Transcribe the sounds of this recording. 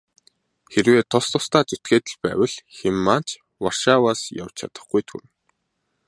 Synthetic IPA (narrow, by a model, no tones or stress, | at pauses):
xerweːt̪ʰːɔst̪ʰʊst̪aːt͡sut̪ɡeːt̪ɘ̆ɮpæ̰ːwə̆ɮxemːaːn̥t͡ɕ | warʃaːwaːsja̰wt͡ɕʰa̰t̪ə̆χɡujt̪ʰṵɾɘ̆ŋ